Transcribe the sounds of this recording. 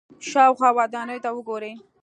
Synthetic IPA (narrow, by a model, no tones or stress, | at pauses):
ʃɑwxwɑwɑd̪ɑnəjt̪awəɡoɾe